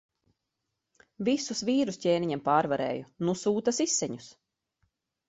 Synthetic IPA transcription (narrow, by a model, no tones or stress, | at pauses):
visusviːɾuscʲeːniɲɛmpaːɾvaɾɛ̰ːjunusuːt̪asisːɛɲus